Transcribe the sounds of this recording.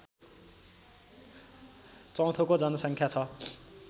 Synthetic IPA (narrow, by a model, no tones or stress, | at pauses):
t͡sʌ̃w̃t̪ʰokod͡zʌnʌsʌŋkʰjat͡sʰʌ